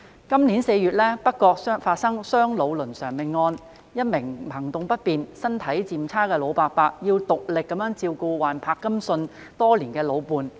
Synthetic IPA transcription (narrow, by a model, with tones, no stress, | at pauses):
kɐ˥mniː˨˥nse˧jyː˨˧t̚lɛː˥pɐ˥t̚kːɔː˧k̚faː˧t̚sɐ˥ŋsœː˥ŋlo˨˧wlɵ˨˩nsœː˨˩ŋmɪ˨ŋːɔː˧n | jɐ˥t̚mɪ˨˩ŋpʰɐ˨˩ŋt̪ʊ˨ŋpɐ˥t̚piː˨˧nsɐ˥nt̪ʰɐ˨˥jt͡siː˨mt͡sʰaː˥kɛː˧lo˨˧wpaː˧k̚paː˧k̚jiː˧wt̪ʊ˨k̚lɪ˨kːɐ˨˥mjœː˨˥ŋt͡siː˧wkuː˧waː˨˩npʰaː˧kːɐ˥msɵ˧n | t̪ɔː˥liː˨˩nkɛː˧lo˨˧wpuː˨˧n